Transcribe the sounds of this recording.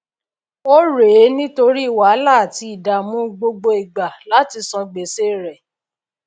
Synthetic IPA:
o˦ɾe˨˦nĩ˦to˧ɾi˦i˦˨wa˨˦la˦˨a˨ti˧i˨da˨mũ˦ɡ͡bo˧ɡ͡bo˧i˨ɡ͡ba˨la˨˦ti˧sɔ̃˧ɡ͡be˨se˦˨ɾɛ˨

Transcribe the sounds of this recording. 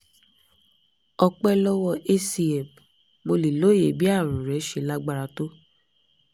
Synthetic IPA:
ɔ˧k͡pɛ˦lɔ˦wɔ˦˧ʔe˦si˨ɛ˨b | mo˧li˨lo˦je˨bi˦a˦˨ɾũ˨ɾɛ˨˦ʃe˧˦la˦ɡ͡ba˧ɾa˧to˦

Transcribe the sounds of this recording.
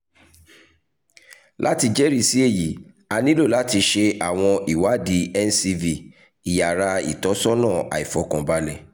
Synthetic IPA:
lʔa˦ti˧d͡ʒɛ˦ɾi˦˧si˨˦e˦˨ji˨˦ | a˧nĩ˦lo˦˨la˨˦ti˧ʃe˧a˨w̃ɔ̃˧i˨wa˨˦di˨˦ɛ˦n̩˦si˧vi˧˨ | i˨ja˨ɾa˧ḭ˨tɔ˨˦sɔ˦nãː˦˨ʔa̰˨i˨fɔ˨˦kã˨ba˧˦lɛ˦˨

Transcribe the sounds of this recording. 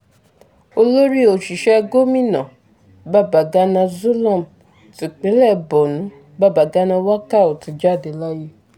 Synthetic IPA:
o˧lo˦ɾi˦o˨ʃi˨ʃɛ˦˧ɡo˦mĩ˦˨nã˨ | ba˦˨ba˨ɡa˦nã˧zo˦lã˦˨m˨ | ti˨k͡pe˨˦lɛ˦˨bɔ˨nũ˨˦ | ba˦˨ba˨ɡa˦nã˧wa˦ka˦˨o˨ti˨˧d͡ʒa˦˨de˨la˦je˦

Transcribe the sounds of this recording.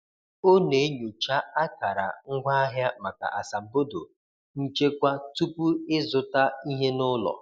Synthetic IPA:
o˦ne˨˦ɲu˨t͡ʃa˦a˦ka˨ɾa̰˨ŋ̩˦ɡʷa˦a˦ɦja˦ma˨ka̰˨ʔa˨sa˨m̩˨bo˦do̰˨ | n̩˦t͡ʃe˦kʷa˦tu˦pu˦ɪ˦zʊ˦ta˦i˦ɦe˦nʊ˦lɔ̰˨

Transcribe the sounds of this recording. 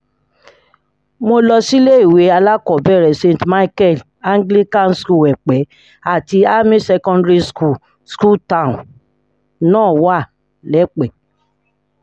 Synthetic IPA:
mo˧lɔ˧si˦le˦i˨we˨˦a˧la˦kɔ˦˨bɛ˦˨ɾɛ˨sẽ˧˨n˨tma˦i˦kɛ˦˨l | a˦ŋɡli˦kã˦˨n̩˨sku˦˨ɛ˨k͡pɛ˨˦ | a˦˨ti˧a˦mĩ˦sɛ˧kɔ̃˧ndɾi˦sku˦˨ | sku˦˨tã˦˨n | nãː˦˨wa˦˨ | lɛ˨˦k͡pɛ˨

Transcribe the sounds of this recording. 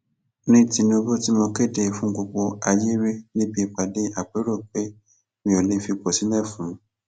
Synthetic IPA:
nĩ˦ti˧nũ˧˦bo˦ti˦mɔ̃˧ke˦˨de˧fũ˦ko˧k͡po˧a˧je˦ɾe˦nĩ˦bi˦˧˨k͡pa˨de˦ʔa˨k͡pe˨˦ɾɔ˦˨k͡pe˦ | mĩ˧˦o˨le˨˦fi˧k͡pɔ˨si˨˦lɛ˦˨fũ˨˦

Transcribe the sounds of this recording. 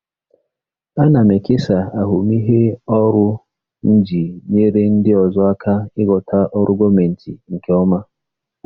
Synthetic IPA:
a˦na˨me˨kɪ˦sa˨a˨ɦu˨mi˦ɦe˦ɔ˦ɾʊ˦ | n̩˦d͡ʒi˨ɲe˦ɾe˦n̩˦dɪ˦ɔ˨zɔ˦a˦kʰa˦ɪ˦ɡɔ˨tʰa˦ʔɔ˦ɾʊ˦ɡɔ˦me˨n̩˨tʰḭ˨ŋ̩˨ke˨ɔ˦ma˦

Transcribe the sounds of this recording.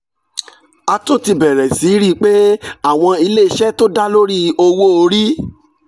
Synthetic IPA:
a˧to˦˨ti˧bɛ˨ɾɛ˨si˨˦ɾi˦k͡pe˦a˦˨w̃ɔ̃˧i˧le˦˧ʃɛ˦to˦da˦lo˦ɾi˦o˧wo˦o˧ɾi˦

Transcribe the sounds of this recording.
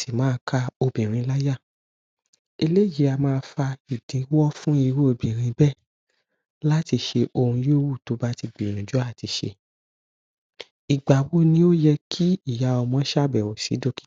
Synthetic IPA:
si˨mãː˨˦˧kʰa˧o˧bĩ˨ɾ̃ĩ˧la˦ja˦˨ | e˧le˦˨ji˨˦a˧mãː˦˧fa˧i˨dĩ˨˦wɔ˦fũ˦i˧ɾu˦o˧bĩ˨ɾ̃ĩ˧˦bɛ˦˨ | la˦ti˧ʃe˧ʔo˧hũ˧jo˦wu˦˨to˧˦ba˦ti˧ɡ͡bi˨nũ˨d͡ʒu˨˦a˦˨ti˧ʃḛ˧ | i˨ɡ͡ba˨wo˦nĩ˦o˦jɛ˧kʰi˦i˦˨ja˨˧ɔ˧mɔ̃˧˦ʃa˦˨bɛ˨wo˨sḭ˨˦do˦ki̥˦

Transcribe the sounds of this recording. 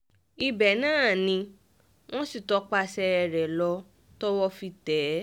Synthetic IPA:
i˧bɛ˨nãː˦˨nĩ˧ | w̃ɔ̃˦si˦˨tɔ˨˧k͡pa˧sɛ˧ɛ˧ɾɛ˨lɔ˧ | tɔ˦wɔ˦fi˧tɛː˨˦

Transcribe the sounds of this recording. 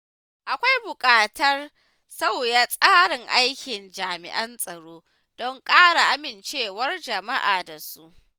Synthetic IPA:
ʔa˨kʷa˦jbʊ˨kʼaː˨tɐ˦r | sa˦˨wjaː˦sʼaː˦ɽɪ˨ŋʔa˦jkʲɪ˨nd͡ʒaː˨mɪ̰˨ʔɐ˦nsʼɐ˨ɽoː˦ | dɔ˦ŋkʼaː˦ɽa˨ʔa˦mɪ˨nt͡ʃeː˦˨wɐ˦rd͡ʒɐ˨ma˦ʔaː˨da˨su˦ʔ

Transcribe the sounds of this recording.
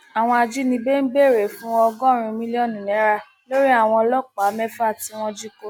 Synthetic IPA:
a˨w̃ɔ̃˧a˧d͡ʒi˦nĩ˧be˦n̩˦be˦˨ɾe˨fũ˦ɔ˧ɡɔ̃˦ɾ̃ĩ˧mĩ˦li˦ɔ̃˦˨nĩ˨nɛ̃˨˦ɾa˧ | lo˦ɾi˦a˦˨w̃ɔ̃˧lɔ˦k͡pa˨˦mɛ˦fa˦˨ti˧w̃ɔ̃˧d͡ʒi˦ko˦

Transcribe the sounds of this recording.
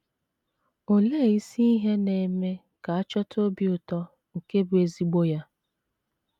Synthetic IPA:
o˨le˦˨i˦si˦i˦ɦe˦ne˨me˦ | ka˨a˦t͡ʃɔ˦tʰo˦bi˦ʊ˨tɔ˦ | ŋ̩˨ke˦bʊ˨e˨zi˦ɡ͡bo˦ja˦

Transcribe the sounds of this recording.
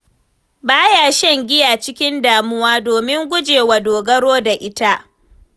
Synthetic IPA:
baː˦jaː˨ʃɛ˦ŋɡʲɪ˦jaː˨t͡ʃɪ˦kʲɪ˦ndaː˨mʊ˦waː˦doː˨mɪ˦ŋɡʷʊ˦d͡ʒeː˨wa˨doː˨ɡɐ˦ɽoː˦da˨ʔɪ˦ta˦ʔ

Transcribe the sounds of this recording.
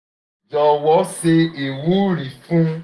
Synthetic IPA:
d͡ʒɔ˧wɔ˨˦se˧e˨wu˨˦ɾi˨fũ˦

